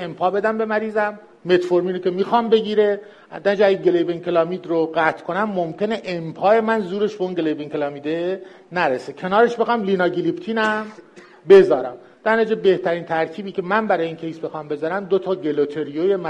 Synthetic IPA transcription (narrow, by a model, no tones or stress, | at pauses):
empʰɒːbe̞d̪æmbe̞mæɾiːzæmː | e̞t̪foɾmiːnocʰʲe̞miːxɒːmbe̞ɟiːɾe̞ | d̪ænd͡ʒeæɡeɡelejbeŋkʰelɒːmiːd̪ɾoɣæt̪ʰkʰonæmːomcʰe̞ne̞ʔempʰɒːe̞mænzuːɾe̞ʃbeunɟelejbeŋkʰelɒːmid̪e | næɾesecʰe̞nɒːɾe̞ʃbe̞xɒmlinɒːɡilipt̪ʰiːnæm | be̞zɒːɾæm | d̪̥æɾned͡ʒebe̞ht̪ʰæɾiːnt̪ʰæɾcʲʰiːbiːcʰe̞mænbæɾɒːjeincʰe̞jsbexɒːmbe̞zɒːɾæmd̪ot̪ʰɒːɡe̞lot̪ʰeɾijojem